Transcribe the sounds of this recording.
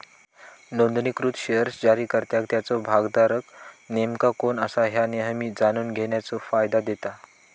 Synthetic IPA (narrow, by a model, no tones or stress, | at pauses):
nond̪nikɾut̪ɕeəɾsd͡ʑaɾiːkəɾt̪jakt̪jat͡sɔbʱaɡd̪aɾəknemkakonəsaɦjaneɦəmiːd͡zanuːnɡʱeɳjat͡sɔfajd̪ad̪et̪a